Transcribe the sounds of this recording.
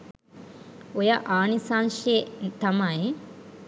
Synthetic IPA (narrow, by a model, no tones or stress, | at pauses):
ojaʔaːnisaːnʃet̪ɐmae